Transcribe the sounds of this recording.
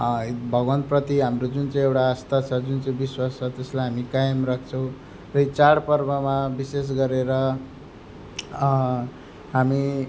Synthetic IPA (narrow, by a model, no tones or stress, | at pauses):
bʱʌɡʋənt̪̚pɾʌt̪iɦamɾod͡zunt͡seewɽaːst̪at͡sʰʌd͡zunt͡sebiswast͡sʰʌt̪eslajɦamikajmɾakʰt͡sʰʌw̃ | ɾʌit͡saɽpʌɾbəmabises̬ɡʌɾeɾʌ | ɦami